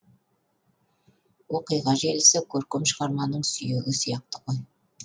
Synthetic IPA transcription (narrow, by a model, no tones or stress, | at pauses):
woqijʁɑʒelɪsɪkʲʰɵɾkʲɪmʃəʁɑɾmɑnəɴsʏjeɡɪsijɑq̚t̪ə̥ʁə